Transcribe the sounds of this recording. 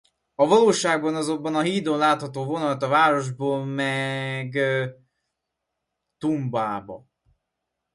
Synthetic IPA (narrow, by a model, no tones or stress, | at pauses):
ɒvɒloːʃaːɡ̚bɒnɒzombɒnɒɦiːd̪onlaːt̪hɒt̪oːvo̞nɒlɒt̪ɒvaːɾo̞ʒboːlmɛɡ | t̪umbaːbɒ̰